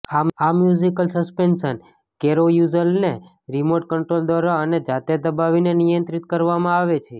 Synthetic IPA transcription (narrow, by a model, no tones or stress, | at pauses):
amamjuzikəlsəspensən | keɾojuzəlne | ɾimoʈ̚kəɳʈɾold̪ʋaɾaəned͡ʒat̪ed̪əbaʋinenijənt̪ɾit̪kəɾʋamãaʋet͡ʃʰe